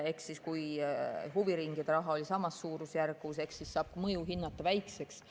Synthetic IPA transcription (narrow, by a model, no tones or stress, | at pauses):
e̞ksːiskujɦuviɾiŋɡid̪̥eɾɑɦɑo̞lʲisɑmɑsːuːɾusjærɡuuse̞kssissɑːb̥mɤjuɦinːɑt̪ːˑɑvæjkse̞ks